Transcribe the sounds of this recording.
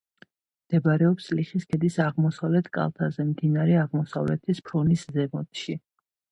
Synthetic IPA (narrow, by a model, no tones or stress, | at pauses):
md̪̥ɛbɾɛɔpsliχiskʰɛd̪isaʁmɔsavlɛt̪ʰkʼa̰lˠt̪ʰazɛmd̪inaɾɛaʁmɔsavlɛ̰t̪ʰispʰɾɔniszɛɡɔt̪ʃi